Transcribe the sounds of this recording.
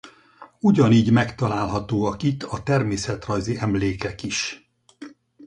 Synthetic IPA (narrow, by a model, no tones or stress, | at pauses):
uɟɒniːɟmɛkt̪ɒlaːlɦɒt̪oːɒkit̪ʰːɒt̪ɛrmeːsɛt̪rɒjziɛmleːkɛkiʃ